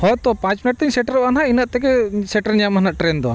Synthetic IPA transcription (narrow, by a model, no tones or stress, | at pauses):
hɔjt̪ɔpãt͡ʃminɐʈ̚t̪iɲsɛʈɐɾbanɦainaʔ̪̚t̪ɛkɛsɛʈɐɾɲamɦɐnaʔʈɾend̪ɔ